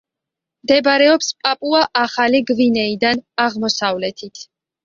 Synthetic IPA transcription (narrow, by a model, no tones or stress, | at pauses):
md̪ɛbaɾɛɔpspʼapʼuaʔaχaliɡvinɛid̪anaʁmɔsavlɛt̪ʰit̪ʰ